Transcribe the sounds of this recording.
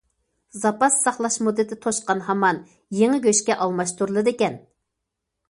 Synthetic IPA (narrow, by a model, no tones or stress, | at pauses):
zɑpɑsːɑχlˠɑʃmud̪ːɨt̪ʰɪt̪ʰoʃqɑnɦɑmɑn | jeŋɪɡʲøʃkʲɛʔɑlˠmɑʃt̪uɾlˠɨd̪ɪkʲɛn